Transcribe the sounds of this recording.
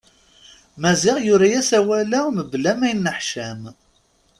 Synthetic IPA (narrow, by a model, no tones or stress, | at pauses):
mæzɪʁjʊɾajæsæwælæməblæmæjənːəħʃæm